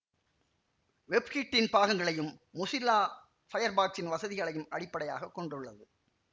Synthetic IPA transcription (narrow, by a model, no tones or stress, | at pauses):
ʋɛbkiːʈːɪnpaːɣɐŋɡɐɭɐjɯmːʊsɪlaː | fɐjɐɾbaːksɪnʋɐsɐðɪɣɐɭɐjɯmɐɽɪpːɐɽɐja̰ːɣɐkːɔɳɖɯɭːɐðɯ